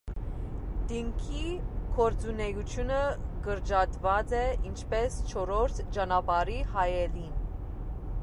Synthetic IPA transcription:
d̪iŋkʰikʰɔɾt͡sunɛjut͡sʰjunəɡəɾd͡ʒɑd̪vɑt͡sɛʔint͡ʃʰpɛst͡ʃʰɔɾɔɾt̪ʰd͡ʒɑnɑpɑɾihɑjɛlin

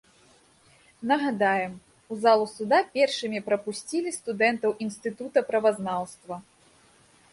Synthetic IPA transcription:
nɐɣad̪ajɛm | uzalˠusud̪apʲɛrʂɨmʲipɾɐpusʲt͡sʲilʲist̪ud̪ɛnt̪ɐwʔinst̪ɨt̪ut̪ɐpɾɐvaznawst̪vɐ

